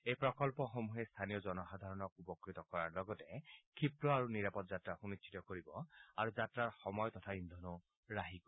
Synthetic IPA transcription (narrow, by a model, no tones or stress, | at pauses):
ejpɹɔkɔlpɔxomuɦest̪ʰanijɔzɔnɔxad̪ʱaɹɔnɔkupɔkɹit̪ɔkɔɹaɹlɔɡɔtɛkʰipɹɔaɹuniɹapɔtzatɹaxunit͡ʃsʰi̥tɔkoɹibɔaɹuzatɹaɹxɔmɔjɔtɔtʰaind̪ʱɔnu | ɹaɦikɔ